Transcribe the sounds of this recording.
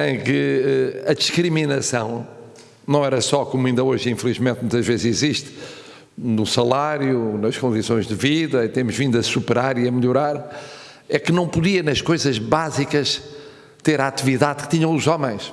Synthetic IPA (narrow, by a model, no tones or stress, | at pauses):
ẽj̃kɨɛɐðiʃkɾiminɐsɐ̃w̃ | nɐ̃w̃ɛɾɐsɔkomuĩnd̪ɐoʒĩflˠiʒmẽnt̪̚mũj̃t̪ɐʒvezziziʃt̪ | nusɐlˠaɾjunɐʃkõnd̪isõj̃ʒðɨviðɐit̪emuʒvĩnd̪uɐsupɨɾaɾiɐmʎuɾaɾ | ɛkɨnɐ̃w̃puðiɐnɐʃkojzɐʒβazikɐʃ | t̪eɾaat̪iviðaðkɨ̥t̪iɲɐ̃w̃uzɔmẽj̃ʃ